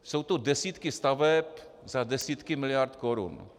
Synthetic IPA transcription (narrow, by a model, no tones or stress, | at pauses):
sowt̪odɛsiːt̪kɪst̪avɛp | zadɛsiːt̪kɪmɪlɪjaɾt̪koɾṵn